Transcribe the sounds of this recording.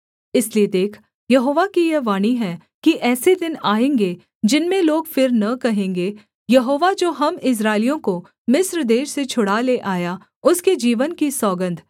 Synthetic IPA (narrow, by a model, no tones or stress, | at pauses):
ɪslied̪eːkʰ | jɐɦoːʋakijɛʋaːniɦɛ | kiʔɛːsed̪ɪnaːẽːŋɡe | d͡ʒɪnmẽloːɡfɪɾnɐkɐɦẽːŋɡe | jɐɦoːʋad͡ʒoːɦɐmɪs̬ɾaːɪlijõko | mɪsɾd̪eːʃset͡ʃʰʊɽaleʔaːja | ʊsked͡ʒiːʋənkisɔːɡə̃nd̪ʱ